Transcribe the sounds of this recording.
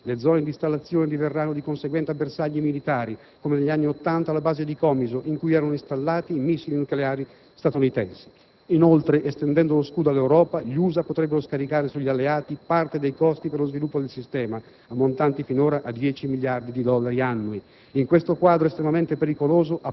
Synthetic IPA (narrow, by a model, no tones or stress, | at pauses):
led̪zɔːned̪ist̪alːat̪sːjoːned̪iverːanːod̪ikonseɡwɛnt̪eabːersaʎːimilit̪aːɾi | komeneʎːianːiot̪ːant̪alːabaːzed̪ikɔmizoʔiŋkujɛːɾanoist̪alːaːt̪iːmisːilinukleaːɾi | st̪at̪unit̪ɛnsi̥ | inolt̪ɾeʔest̪end̪ɛnd̪oloskuːd̪oalːewɾɔːpaʎuːzapot̪ɾɛbːeɾoskaɾikaːɾesuʎːalːeaːt̪ipart̪ed̪ejkɔst̪iperlozvilupːod̪elsist̪ɛːmaː | mːont̪ant̪ifinoːɾaʔad̪jɛːt͡ʃimiljard̪id̪id̪ɔlːaɾianːui | iŋkwest̪okwaːd̪ɾoest̪ɾemament̪epeɾikoloːzoʔa